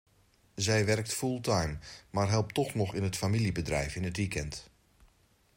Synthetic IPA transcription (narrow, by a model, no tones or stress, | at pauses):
zɛjʋɛrk̚tfulˠtʰajmmarɦɛlˠp̚tɔxnɔxɪnətfamilibədrɛ̰jfɪnətʋikɛnt